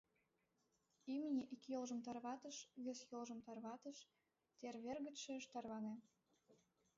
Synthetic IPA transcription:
imnʲeʔikjolʒə̆mt̪ɑrβɑt̪ə̆ʃβesjolʒə̆mt̪ɑrβɑt̪ə̆ʃ | t̪erβerɣə̆t̪ʃĕəʃt̪ɑrβɑne

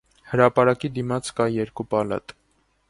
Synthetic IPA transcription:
həɾɑpɑɾɑkid̪imɑt͡skɑjɛɾkupɑlɑ̰t̪

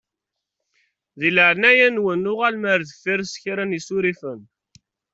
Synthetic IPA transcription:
ðiləʕnæjænwənːʊʁælməɾðəfːiɾsçɾænisuɾifən

